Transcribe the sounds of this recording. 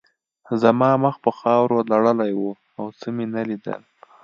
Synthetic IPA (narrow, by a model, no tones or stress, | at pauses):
zamɑməxpəxɑwɾolaɽəlajwu | awt͡səmenalid̪ə̰l